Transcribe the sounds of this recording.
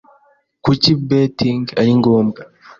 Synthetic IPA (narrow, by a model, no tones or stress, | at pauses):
kucibetiŋɡaɾiŋɡoːmɡa